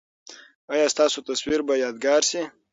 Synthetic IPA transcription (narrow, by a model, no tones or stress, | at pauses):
ajɑːst̪ɑːsot̪ɐswiɾbajɑːd̪ɡɑːɾsi